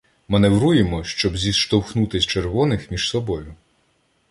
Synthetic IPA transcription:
mɐneʋɾujemɔʃt͡ʃɔbzʲisʃt̪ɔwxnut̪ɪsʲt͡ʃerʋɔnɪxmʲiʒ̥sɔbɔjʊ

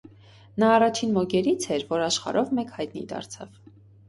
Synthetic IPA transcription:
nɑːrɑt͡ʃʰinmɔɡɛɾit͡sʰɛɾvɔɾɑʃχɑ̰ɾʔɔvmɛkhɑjt̪nḭd̪ɑ̰ɾt͡sʰɑ̰v

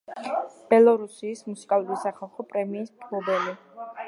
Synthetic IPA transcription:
b̥ɛlˠɔɾusiːsmusi̥kʼalˠuɾisaχalˠχɔpʼɾɛmiːsmpʰlˠɔbɛli

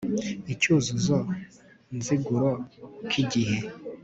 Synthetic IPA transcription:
icuzuzo | nziɡuɾokʰiɡihe

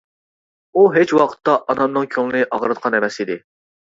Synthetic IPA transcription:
uɦet͡ʃwɑqʰə̥t̪ʰːɑʔːnɑmnɨŋkʲʰøŋɨlnɪʔɑʁɾɨt̪̚qʰɑnɛmɛsid̪ɪ

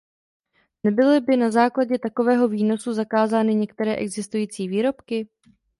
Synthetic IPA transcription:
nɛbɪlɪbɪnazaːklaɟɛt̪ako̞vɛːɦo̞viːno̞suzakaːzaːnɪɲɛkt̪ɛɾɛːʔɛɡzɪst̪ujiːt͡siːviːɾo̞pkɪ

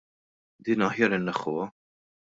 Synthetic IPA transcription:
d̪iːnɐħjɐɾɪnːɛχːʊ̰wɐ

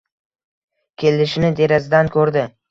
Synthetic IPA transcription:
kʲʰe̞lɪʃnɪd̪e̞ɾazɪd̪ankʲʰɵɾd̪ɪ

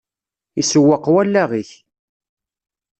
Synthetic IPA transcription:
isəwːəqːwælːæʁiç

